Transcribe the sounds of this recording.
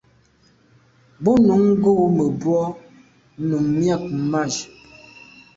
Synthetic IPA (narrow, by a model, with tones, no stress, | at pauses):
bɔ˦nu˨˦ŋ˦ɡo˦˨mə˨bwɔ˦ | nu˨ŋmja˦˨k̚m̩˨ma˦˨d͡ʒ